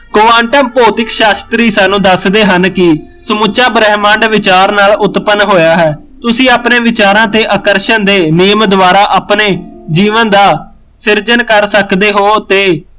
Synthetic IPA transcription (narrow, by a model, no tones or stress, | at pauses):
kʊʋãːɳʈəmpoːt̪ɪkʃaːst̪ɾiːsaːnːũːd̪əsd̪eːɦənkɪ | səmʊt͡ʃaːbɾɛːmãːɳɖʋɪt͡ʃaːɾnaːlʊt̪pənɦoːjaːɦɛː | t̪ʊsĩːaːpneːʋɪt͡ʃaːɾãːt̪eːʔəkəɾʃənd̪eːnɪjəmd̪ʊʋaːɾaːʔaːpneːd͡ʒiːʋənd̪aː | sɪɾd͡ʒənkəɾsəkd̪eːɦoːt̪eː